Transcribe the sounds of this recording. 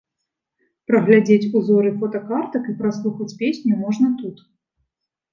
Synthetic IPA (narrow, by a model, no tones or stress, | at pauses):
pɾɐɣlʲad͡zʲet͡sʲuzɔɾɨfɔt̪ɐkart̪ɐkipɾaslˠuxɐt͡sʲpʲesʲnʲumɔʐnɐt̪ut̪